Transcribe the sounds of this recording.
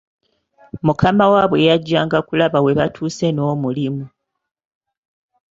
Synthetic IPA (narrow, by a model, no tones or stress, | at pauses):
mukʰamawaːβwe̞jaɟːaːŋɡakulaβawe̞βatʰuːse̞no̞ːmulimu